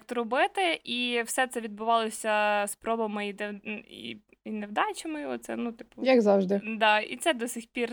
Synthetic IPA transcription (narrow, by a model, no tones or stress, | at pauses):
kt̪ɔɾɔbɪt̪ɪʔiwsɛt̪sɛʋʲid̪̚bʊʋɑlˠɔsʲɐspɾɔbɐmɪiḭ | inewd̪ɑt͡ʃɪmɪjɔt̪sɛ̰nut̪ɪ̥pʊjɐkzɑwʒd̪ɪd̪ɑḭt̪sɛd̪ɔsʲixpʲir